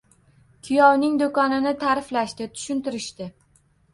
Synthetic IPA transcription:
kʲʰɪjɒwnɪŋd̪okɒnɪnɪt̪ʰaɾɪflaʃt̪ɪt̪ʰʊ̥ʃʊnt̪ɪɾɪʃt̪ɪ

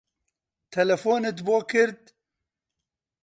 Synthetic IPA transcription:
t̪ʰɛlɛfoːnɨt̪boːkʰɨɾd̪̚

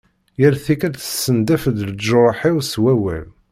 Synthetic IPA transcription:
jəɾθikæd̪θəsːənd̪æfəd̪ld͡ʒoɾˤħiwswæwæ̰l

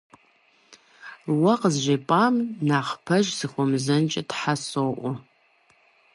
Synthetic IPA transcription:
wɐqəzʒʷeːpʼaːmnaːχpʰɐʒsɨxʷɔmzɐnt͡ʃʼɐtħasoʔʷʊ

